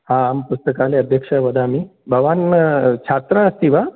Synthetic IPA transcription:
hãampust̪əkaleəd̪ʱjəkʂəʋəd̪ʱamibʱəʋant͡ɕʰat̪ɾaəst̪iʋa

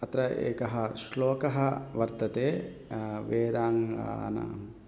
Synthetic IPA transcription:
ɐt̪ɾɐʔḛːkɐɦɐʃloːkɐɦɐʋɐɾt̪ɐt̪eː | ʋeːd̪aːŋɡa̰ːnɐ̰m

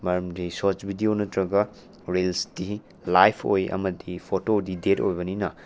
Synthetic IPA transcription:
mɐɾɐmdisot͡ʃbʱidionɐtɾɐɡɐ | ɾelsdi | lajpʰo̰jɐ̰mɐdipʰotodidetojbɐninɐ

